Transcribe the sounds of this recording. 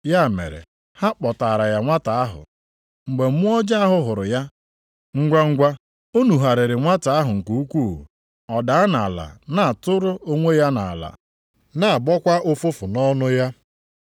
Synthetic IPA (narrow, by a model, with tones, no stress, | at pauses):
ja˦˨mḛ˨ɾḛ˨ | ha˦k͡pɔ˨ta˨ɾa˨ja˨ŋʷa˦ta˨a˦ɦʊ̰˨ | ŋ͡m̩˨ɡ͡be˨m̩˦ʊ˦ɔ˦d͡ʒa˦a˦ɦʊ˦ɦʊ˨ɾʊ˨ja˦ | ŋ̩˦ɡʷa˦ŋ̩˦ɡʷa˦ | o˦nu˨ɦa˨ɾɪ˨ɾɪ˨ŋʷa˦ta˨a˦ɦʊ˨ŋ̩˨ku˦u˦kʷu˦˨ṵ˨ | ɔ˨da˨a˦na˨la̰˨na˨a˨tʊ˦ɾʊ˦o˦ŋʷe˦ja˦na̰˨la̰˨ | na˨a˨bɔ˦kʷa˦ʔo˦fʊ˦fʊ˨nɔ˦nʊ˦ja˦